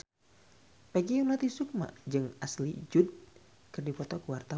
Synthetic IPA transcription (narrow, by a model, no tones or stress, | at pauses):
paɡiunat̪isuk̚ma̰ʔd͡ʒɨŋaslid͡ʒud̚ | kɨrdipɔt̪ɔkuwart̪a